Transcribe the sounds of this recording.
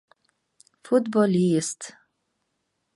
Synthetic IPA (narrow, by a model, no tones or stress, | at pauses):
fʊt̪bɔliːst̪